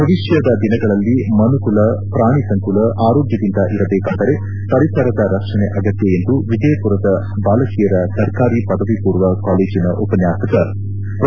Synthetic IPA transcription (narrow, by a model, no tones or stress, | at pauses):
ɐɾiʂjɐd̪ɐd̪inɐɡɐɭɐlːimɐnukulɐpɾaːɳisɐŋkulɐʔaːɾoːɡjɐd̪ind̪ɐʔiɾɐd̪eːkɐnd̪ɐɾe | pɐɾisaːɾɐd̪ɐɾɐkʂɐneʔɐɡɐt̪jɐend̪uʋid̪ɛjɐpuɾɐd̪ɐ | baːlɐkijɐɾɐsɐɾkaːɾipɐd̪ɐʋipuːɾʋɐkaːleːd͡ʒinɐʔupɐnjaːsɐkɐ | p